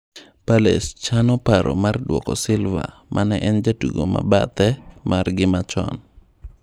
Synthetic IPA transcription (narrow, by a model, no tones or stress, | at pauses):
palest͡ʃanɔpaɾɔmardwɔkɔsɪlva̰ | mʔanɛʔɛnd͡ʒatuɡoma̰ba̰t̪ɛmarɡɪmat͡ʃɔ̰n